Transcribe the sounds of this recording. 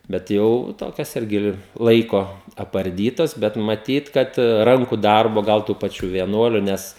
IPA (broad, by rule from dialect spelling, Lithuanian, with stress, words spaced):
bʲɛt ˈjɛʊ ˈtoːkʲɛs ˈɪrʲɡʲɪ ˈlˠɐɪkoː ɐpɐrʲˈdʲiːtɐs bʲɛt mɐˈtʲiːt ˈkɐt ˈrɐŋkʊ ˈdɐrboː ˈɡɐlˠ tuː pɐˈt͡ʃʲuː ʋʲiɛˈnuɔlʲʊ ˈnʲɛs